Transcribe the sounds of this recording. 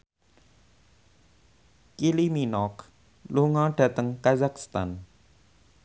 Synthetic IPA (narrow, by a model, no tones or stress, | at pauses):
kiliminɔk | luŋɔɖ̥a̤t̪əŋkazakst̪an